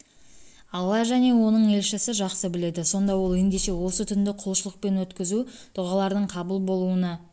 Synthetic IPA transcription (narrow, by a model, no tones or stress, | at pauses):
ɑlˠːɑʒæne̞wo̞nəɴe̞lʃɪsɪʒɑqsəbɪle̞d̪ɪso̞nd̪ɑwo̞lˠe̞nd̪e̞ʃe̞wo̞sət̪ʰʏnd̪ɪqʰʊlˠʃəlˠəq̚pe̞nwɵt̪kʲɪzud̪̥ʊʁɑlˠɑɾd̪əɴqʰɑbulˠbo̞lˠuənɑ